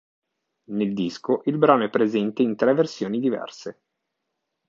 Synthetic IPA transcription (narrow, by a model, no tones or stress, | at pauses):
neld̪iskoʔilbɾaːnoɛpːɾezɛnt̪eint̪ɾɛversjoːnid̪ivɛ̰rse